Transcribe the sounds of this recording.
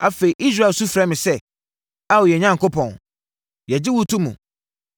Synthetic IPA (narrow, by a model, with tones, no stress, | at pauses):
a˨fe˨i˨ʔi˦s̬ɾa˦˨su˦fɾɛ˦mɪ̃˨sɛ˦ | a˦wɔ˨jɛ˨ɲã˦ŋkʰo˦pʰɔ̃˨n | jɛ˨d͡ʑɪ˦wʊ˦tʰũ˦mṵ̃˨